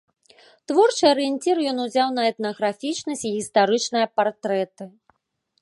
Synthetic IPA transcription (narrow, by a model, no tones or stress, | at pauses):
t̪vɔrt͡ʂɨɐɾɨjenʲt͡sʲiɾjɔnuzʲawnɐɛt̪nɐɣɾafʲit͡ʂnɐsʲt͡sʲiɣʲist̪aɾɨt͡ʂnɨjɐpart̪ɾɛt̪ɨ